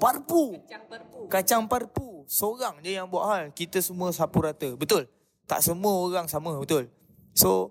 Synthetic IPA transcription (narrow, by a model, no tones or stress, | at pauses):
parpu | kat͡ʃaŋparpusoɾaŋd͡ʒəjaŋbua̰ʔɦalkit̪əsəmũəsapuɾat̪əbət̪ʊl | t̪a̰ʔsəmũəoɣaŋsaməbət̪ʊl | so